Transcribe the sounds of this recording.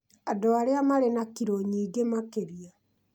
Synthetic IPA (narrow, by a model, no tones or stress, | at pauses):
adoaɾeamaɾenakiɾoɲiːɡemakeɾia